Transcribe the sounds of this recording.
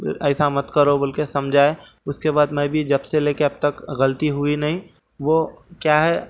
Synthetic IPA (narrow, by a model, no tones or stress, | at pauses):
ɛːɪsamɐt̪kɐɾobɐlkesɐmd͡ʒʱaːe | ʊskebaːd̪mɛ̃bʱid͡ʒɐbseleːkeɐb̚t̪ɐkɣɐlt̪iɦʊinɐɦĩ | ʋokjaːɦɛ